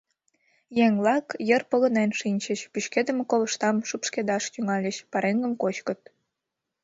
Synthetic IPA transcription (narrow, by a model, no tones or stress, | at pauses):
jeŋlɑkjərpə̆lə̆nenʃinʲt͡ɕəɕpyɕked̪ə̆mekoləʃt̪ɑmʃupʃked̪ɑʃt̪yŋɑlʲəɕpɑɾeŋɡə̆mkot͡ɕkə̆t̪̚